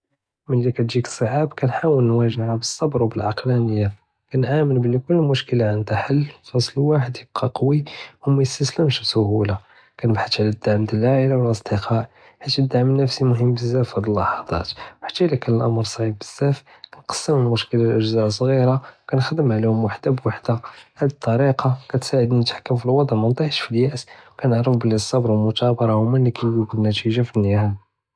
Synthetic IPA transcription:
məlːikæt̪ʒiksˤəʕabkænħawəlnwæʒəʕabəsˤːɑbɾwbəlʕɑqlænəjːa | kænʕamənblikʊlːmʊʃkəlaʕənd̪aħəlːfɑsˤlwaħəd̪jəb̥̚qʰɑqɑwiwmæjəst̪æsləmʃsʊhula | kænəbħat̪ʕlæd̪ːaʕmd̪əlʕaʕəlawəlʔəsˤd̪əqʰɑʕ | ħit̪ːd̪aʕmənːəfsimʊɦəmːbəzːæfæd̪əlːɑħɑd̪ˤɑ̰t̪wħḁt̪ːælækænəlʔɑmɾˤsˤʕibbəz̥ːæf | kænqɑ̥sːəməlmʊʃkəlaʔəʒzæʔs̬ˤɣiɾawkænxd̪əmʕlihʊmwaħd̪abwaħd̪ahæd̪ət̪ˤːɑɾiqʰɑkæt̪saʕəd̪ninət̪ħḁkːəmfilwɑd̪ˤʕlmʊnt̪ˤɑħʃfiljæʔswkænəʕɾəfbəlːisˤːɑbɾˤwəlmʊt̪ɑbɑɾˤɑwmænlikæjɡubəlnːæt̪iʒafinːəhæl

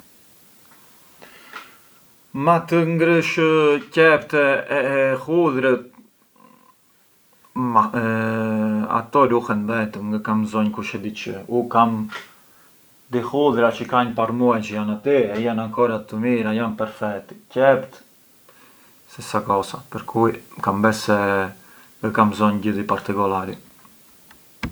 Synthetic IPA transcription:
mat̪əŋɡɾəʃəcɛpt̪ɛɛhuðɾət̪ | a | a̰t̪ɔɾuhɛnbɛt̪əmŋɡəkamzɔɲkuʃɛd̪it͡ʃə̰ukam | d̪ihuðɾat͡ʃəkaɲpaɾmuajt͡ʃəjanat̪iɛjanaŋkɔɾat̪əmiɾajanpɛɾfɛt̪cɛpt̪ | sɛsakɔsapəɾkʰujkambɛsɛ | əkamzɔɲɟəðipaɾt̪ikɔlaɾi

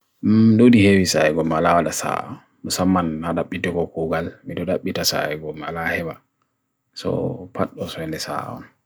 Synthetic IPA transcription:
dodihewisaɛɡɔmalawaɗasa̰ɔ | nɔsamːanhadaɓitɛkɔkuɡalmidɔdaɓːitasa̰ɛɡɔmalahɛba | sɔ̰pʰa̰ɗːɔsɔɛndɛsa̰ɔ̰n

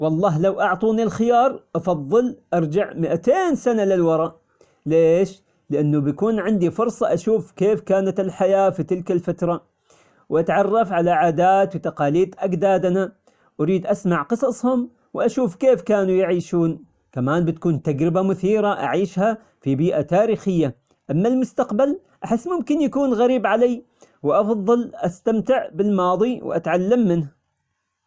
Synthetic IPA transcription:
wɑlˤːɑːɦlawʔɑʕt̪ˤuːnilxɪjɑːɾˤʔɑfɑðˤːɨlʔɑɾˤd͡ʒaʕmɪʔat̪eːnsanalɪlwɑɾˤɑʔ | leːʃ | lɪʔanːʊbjakuːnʕɪnd̪ifʊɾsˤɑʔaʃuːfkeːfkaːnat̪ɪlħajaːfit̪ɪlkalfat̪ɾˤɑ | wʔat̪ʕɑrˤːɑfʕalaʕaːd̪aːt̪wt̪aqɑːliːd̪ʔaɡd̪aːd̪na | ʔaɾiːd̪ʔasmaʕqɨsˤɑsˤhʊm | wʔaʃuːfkeːfkaːnujɪʕiːʃuːn | kamaːnbɪt̪kuːnt̪aɡɾɪbamʊθiːɾaʔa̰ʕiːʃha | fibiːʔat̪aːɾiːxɪjːa | ʔamːalmʊst̪aqbal | ʔaħɪsːmʊmkɪnjakuːnɣaɾiːbʕalaj | wʔɑfðˤɑlʔast̪amt̪ɪʕbɪlmɑːðˤiw̰ʔa̰t̪ʕalːamːɪnh

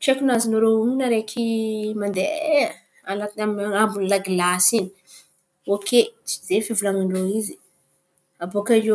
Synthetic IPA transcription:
ʈ͡ʂekunazinuɾouŋinaɾekʰimand̪ee | alaamambunlaɡilasini̥ | okʰet͡ʃi̥zefivulaŋaɳɖ͡ʐoizi̥ | avokaʒo

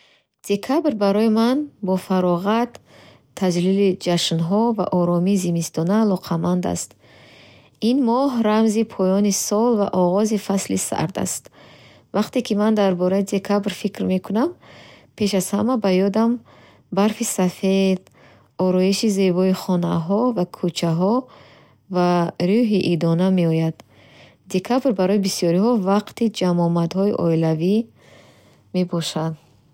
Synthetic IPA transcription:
d̪̥e̞kʰabɾbaɾɔjimanbɔfaɾɔʁat̪ʰː | ad͡ʒlilid͡ʒaʃnɦɔva̰ʔɔɾɔmiːzimist̪ɔnaːlɔqʰamand̪a̰st̪ | inmɔɦɾamzipʰɔjɔnisɔlva̰ʔɔʁɔzifaslisa̰ɾd̪a̰st̪ | vaqt̪e̞kʰimand̪aɾbɔɾaid̪e̞kʰabɾfikɾme̞kʰunampʰe̞ʃaz̥hamabajɔd̪am | baɾfisafe̞d̪̥ | ɔɾɔiʃize̞bɔiχɔnaɦɔvakʰut͡ʃʰaɦɔ | vaɾuɦiʔid̪ɔname̞ɔjad̪̥ː | e̞kʰabɾbaɾɔibisijɔɾihɔvaqt̪id͡ʒamɔmad̪hɔiʔɔilavi | me̞bɔʃand̪

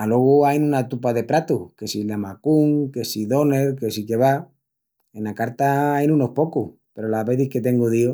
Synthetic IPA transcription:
alweɣuajnunat̪upaðe̞pɾat̪uke̞silamakuŋkesiðo̞ne̞ɾke̞sike̞βa | e̞nakaɾt̪aajnunohpo̞kuhpe̞ɾolaβe̞ðihke̞t̪e̞ŋɡuðio

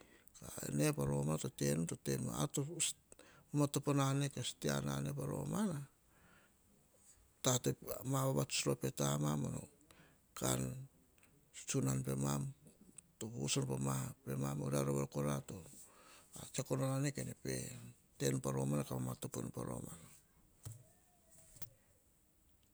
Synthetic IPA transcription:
kaḛnepaɾo̞mato̞te̞nuto̞te̞ma̰tos | matoponanekastea̰na̰ne̞paɾo̞̰mana | tatemaβaβatu̥sɾope̞tamamano̰ | ka̰n | u̥t͡ʃunanpe̞mamtousonpamape̞mamodaɾoβakoɾato | at͡ʃakononanekenepḛ | te̞npaɾo̞manakaamatoponpaɾo̰mana

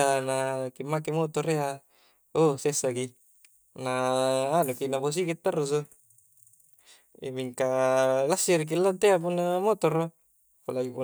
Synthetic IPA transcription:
anakimːakemot̪ɔɾea | osesːaki | naːnukinapos̬ikit̪ːarːus̬o | ḭmiŋkalasːiɾik̬ilːant̪eapunːamot̪ɔro | kolaɡipu

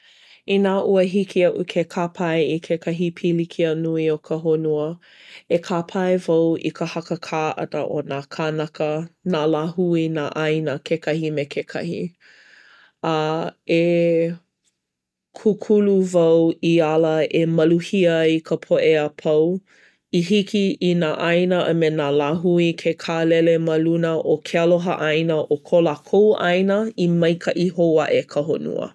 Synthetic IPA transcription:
inaʔuəɦikʰiɐʔukʰekʰapʰɐeikʰekʰɐɦipʰilikʰiənuiokʰəɦonuə | ekʰapʰɐevɐwʔḭkəhɐkəkʰaːʔɐ̰də̰ʔo̰nakʰanɐkənalahuina̰ʔɐjnəkʰekʰɐhimekʰekʰɐ̰hḭ | ɐe | kʰukʰuluvɐwialəemɐluhiəikʰəpʰoʔeapʰɐw | ihikʰiinaːʔɐjnəʔɐ̰menaːlaɦuikʰekʰalɛleməlunəʔokʰeɐloɦə̰ʔɐjnəʔokʰolakʰowʔɐ̰jnəimɐjkʰɐʔiɦowɐʔekʰəɦonṵə̰

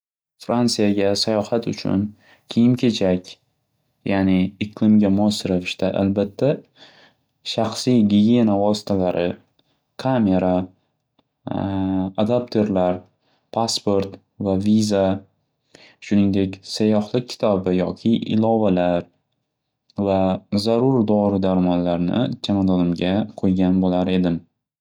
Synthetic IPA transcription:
fɾant̪sijaɡʲasajɒhat̪ʊ̰t͡ʃʰʊ̰n | kʲʰejɪmkʲʰe̞t͡ʃʰakʲ | janɪɪqlˠɪmɡʲamʊɒsɪɾavɪʃt̪aʔa̰lbat̪ʰːa | ʃaχsijɡʲiɡʲie̞navɒsɪ̥t̪ʰalaɾɪ | kʰame̞ɾa | ad̪apt̪ʰe̞ɾlaɾ | pʰaspo̞ɾt̪ | vaviza | ʃʊnɪŋd̪e̞kʲsajɒhlˠɪk̚ʲkʰʲɪ̥t̪ʰɒbɪjɒkʲʰɪʔɪ̰lˠɒvalaɾ | vazaɾʊɾd̪ɒɾɪd̪aɾmɒnlaɾnɪ̰t͡ʃʰamad̪ɒnɪmɡʲaqʰojɡʲanbolaɾe̞d̪ɪm

